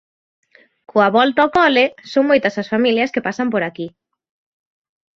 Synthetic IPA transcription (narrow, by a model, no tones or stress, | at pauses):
kʰoaβɔlt̪aokɔlɪsoŋmojt̪ɐsɐsfamiljɐskepasɐmpoɾaki